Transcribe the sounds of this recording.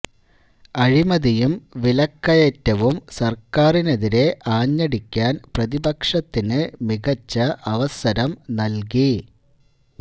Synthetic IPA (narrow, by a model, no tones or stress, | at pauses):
ɐɻimɐðijumʋilɐkːɐjetːɐʋumsɐrkaːrine̞ðiɾe̞ʔaːɲːɐɽikʲːaːnprɐðibɐkʂɐt̪ːinɨmiɣɐt͡ɕːɐʔɐʋɐsɐɾɐmnɐlk̬i